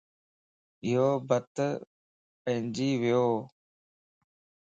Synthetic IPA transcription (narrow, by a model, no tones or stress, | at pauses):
ɪɦoːbət̪ | pə̃ɦɪ̃nd͡ʒiːʋɪjoː